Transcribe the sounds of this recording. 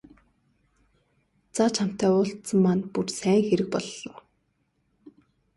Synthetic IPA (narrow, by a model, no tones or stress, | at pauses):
t͡sat͡ɕʰam̥t̪æːʊːɬt̪sə̆mːanpursæːŋxeɾɘ̆k̚pɔɮɞ̆w